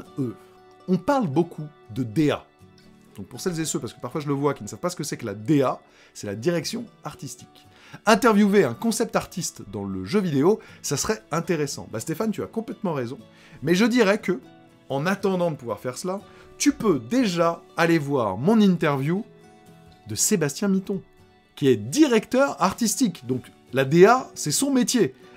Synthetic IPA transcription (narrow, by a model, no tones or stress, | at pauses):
ø | ɔ̃paʁlbokʰu | d̪əd̪ea̰ | d̪̥ɔ̃k̚puʁsɛlzesøpaʁsə̥kə̥paʁfwaʒələvwakʲinəsavpasə̥kəsɛkəlad̪ea | sɛlad̪iʁɛksjɔ̃aʁt̪ist̪i̥k | ɛ̃t̪ɛʁvjuveɛ̃kɔ̃sɛp̚t̪aʁt̪ist̪d̪ɑ̃ləʒøvid̪eosasəχɛɛ̃t̪eʁesɑ̰̃bast̪efant̪yakɔ̃plɛt̪mɑ̃ʁezɔ̃ | mɛʒəd̪iʁɛkə | ɑ̃nat̪ɑ̃d̪ɑ̃d̪əpuvwa̰ʁfɛʁsəla | t̪ypød̪eʒaːlevwaʁmɔ̃nĩnt̪ɛʁvju | d̪əsebast̪jɛ̃mit̪ɔ̃ | kʲiɛd̪iʁɛkt̪œʁaʁt̪ist̪ikd̪ɔ̃k | lad̪easɛsɔ̃met̪je